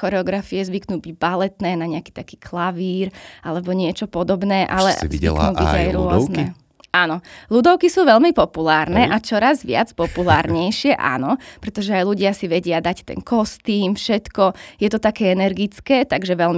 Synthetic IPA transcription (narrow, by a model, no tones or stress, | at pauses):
xɔɾɛɔɡɾafijɛzʋiknuːbiɟ̚balɛt̪nɛːnaɲɛaki̥ːt̪akiːkʰlaʋiːɾalɛbɔɲɪɛt͡ʃɔpɔd̪ɔbnɛːʔa̰lɛ̰zḭknuːbḭɟa̰jɾʊɔznɛ | anɔlud̪ɔʊkisuːʋɛlmipɔpulaːɾnɛʔat͡ʃɔɾazʋɪa̰t͡spɔpulaːɾɲɛjʃɪɛʔa̰nɔpɾɛt̪ɔʒɛajluɟɪasiʋɛɟɪad̪act̪ɛ̰nkɔst̪iːmfʃɛt̪kɔjɛt̪ɔt̪akɛːɛnɛɾɡit͡skɛːt̪aɡʒɛʋɛlmi